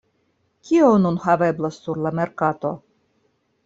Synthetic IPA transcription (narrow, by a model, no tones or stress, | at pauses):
kʰʲionunhaveblasːuɾlameɾkat̪o̰